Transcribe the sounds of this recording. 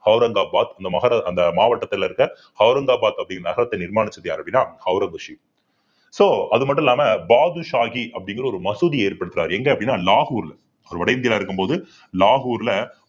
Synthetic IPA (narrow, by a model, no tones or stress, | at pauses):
hɐʊɾɐŋɡaːbaːt̪ɐnd̪ɐmɐɣɐɾɐɐnd̪ɐmaːʋɐʈːɐt̪ːɪlɐɪɾɯkːɐ | hɐʊɾɐŋɡaːbaːt̪ɐpːɐɽɪŋɡɐnɐɣɐɾɐt̪ːɐnɪɾmaːnɪt͡ʃːɐðɐjaːɾɐpɐɽɪnːaːhɐʊɾɐŋɡɐʂi | soːɐðɯmɐʈ̬ːʊ̃nɛlːaːmɐbaːðɯʂaːɣiʔɐpːɐɽɪŋɡɪɾɐɔɾɯmɐsuðieːɾpɐɽɯt̪ːɯɾa̰ːɾɛŋɡɐɐpːɐɽɪnːaːlaːɣuːɾɪl | ɐʋɐɾɯʋɐɽɐɪnd̪ɪjlaːɪɾɯkːɯmpoːðɯ | laːɦuːɾlɐ